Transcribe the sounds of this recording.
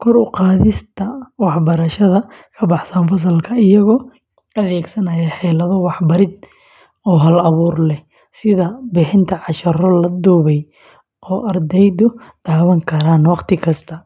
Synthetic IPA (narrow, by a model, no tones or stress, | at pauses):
kʰɔrʊqɑːðɪst̪ʰɐwɑħbɐɾɐʃɐðɐkʰɐbɑħsɐnfɐs̬ɐlkʰɐɪjɐɣɔː | ɐðɛːɡsɐnɐjɐħɛːlɐðɔwɑħbɐɾɪd̪̚ | ɔːɦɐlɐβuːrlɛ | sɪðɐbɪħɪnt̪ʰɐʕɑʃɐrɔlɐd̪uːβɛj | ʔɔːʔɐrd̪ɛjd̪ʊd̪̥aːβɐŋkʰɐɾaːnwɑqt̪ʰɪkʰɐst̪ʰɐ